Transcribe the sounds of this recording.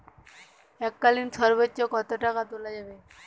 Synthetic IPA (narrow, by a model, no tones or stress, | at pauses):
ɛkːalinsɔɾbətːɔkɔt̪ɔʈakat̪olad͡ʑabe